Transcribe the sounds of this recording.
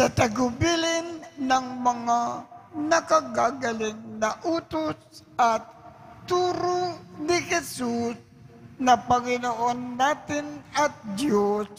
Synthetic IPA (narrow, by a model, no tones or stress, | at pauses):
sɐt̪ɐɡʊbilɪnːɐŋmɐŋanɐkaɡaːɡɐlɪnːɐʔuːt̪osʔat̪ːuːɾonɪhɛsus | nɐpɐŋɪnoʔonːaːt̪ɪnɐt̪̚d̪jos